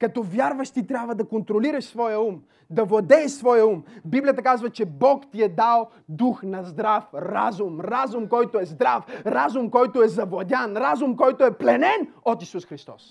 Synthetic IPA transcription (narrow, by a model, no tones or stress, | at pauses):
kɐt̪ɔvjaɾvɐʃt̪it̪ɾʲjabvɐd̪ɐkont̪ɾoliɾɐʃsvɔjəum | d̪ɐvlˠɐd̪ɛɛʃsvɔjəumbiblijət̪əkazvɐt͡ʃɛbɔkt̪iɛd̪alˠ | d̪uxnɐzd̪ɾafɾazʊmɾazʊmkɔjt̪oɛzd̪ɾafɾazʊmkɔjt̪oɛzɐvlˠɐd̪ʲjanɾazʊmkɔjt̪oɛplɛnɛnot̪isusxɾist̪ɔ̰s